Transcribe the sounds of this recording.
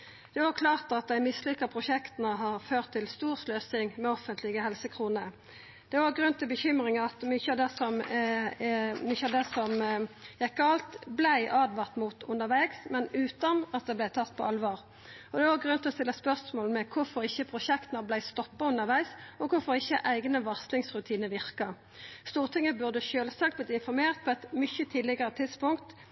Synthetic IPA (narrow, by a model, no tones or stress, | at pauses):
d̪̥ɛokʰlɑːʁt̪ɑt̪̚d̪æɪmɪsːlʏkːəpʰʁʊʃɛkt̪ənəɦɑɾføːʁt̪ʰːɪlst̪uːʁsløːsɪŋmɛɔfənt̪lɪɡəhɛlsəkʰʁuːnə | d̪̥ɛɔːɡɾʉnːt̪ʰɪlbəçʏmɾɪŋɑt̪mʏçəɑʋd̪ɛsɔm | mʏçəɑʋd̪ɛsɔmjɛɪkʰːɑlt̪blæɪʔɑːd̪ʋɑʁt̪mʊt̪ʊnəɾʋæɪɡsmɛnʉːt̪ɑnɑt̪̚d̪ɛblæɪt̪ʰɑt̪ːpʰɔ̰ɑlʋɑːʁ | ɔd̪ɛɑɡʁʉnt̪ʰɪlɔst̪ɪlːəɑspœʁsmoːlmɛkʰʊɾfɔɾɪçːəpʰʁʊʃɛkt̪nəblæɪst̪ɔpːɑʉnːəʁʋæɪsɔkʰʊɾfɔʁɪçːəʔæɪɡnəʋɑʁslɪŋsʁʉt̪ʰiːnəʋɪʁkɑ | st̪uːʁt̪ʰɪŋːəbʉʁd̪əʃøːlsɑkt̪̚blɪt̪ɪnfɔɾmeːʁt̪̚pʰɔɛt̪mʏçət̪ʰiːd̪lɪɡəɾət̪ʰɪd̪spʊŋkt̪